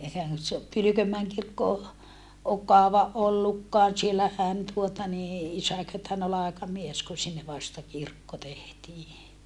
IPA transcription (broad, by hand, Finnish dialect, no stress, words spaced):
ehæn se o pylykømːæeŋ kirkːo o ok kɑoʋɑ ʔolːukːɑːn̞ sielːæhæn tuotɑ niː isækø tɑen olːɑ ɑekɑmies ku sinːe ʋɑstɑ kirkːo tehtiː